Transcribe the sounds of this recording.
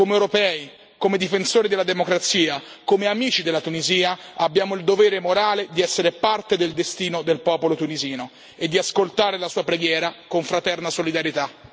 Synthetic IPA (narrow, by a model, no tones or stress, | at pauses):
komeewɾopɛːi | komed̪ifensoːɾid̪elad̪emokɾat̪siːa | komeamiːt͡ʃid̪elːat̪uniziːaabːjaːmoild̪oveːɾemoɾaːled̪iɛsːeɾepart̪ed̪eld̪est̪iːnod̪elpɔːpolot̪uniziːno | ed̪ːiaskolt̪aːɾelasuːapɾeɡjɛːɾakoɱfɾat̪ɛrnasolid̪aɾjet̪a